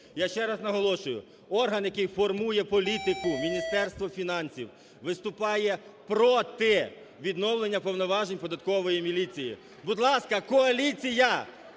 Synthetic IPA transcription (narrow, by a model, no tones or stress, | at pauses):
jaʃt͡ʃɛɾɑznɐɦɔlˠɔʃʊjʊ̰ | ɔrɦɐnjɐkɪjfɔrmujɛpɔlʲit̪ɪkʊmʲinʲist̪ɛrst̪ʋɔfʲinɑnʲsʲiw | ʋɪst̪ʊpɑjɛpɾɔt̪ɪ | ʋʲid̪nɔwlˠenʲːɐpɔwnɔʋɑʒenʲpɔd̪ɐt̪kɔʋɔjimʲilʲit͡sʲijḭ | bʊd̪lˠɑskɐkɔɐlʲit͡sʲijɐ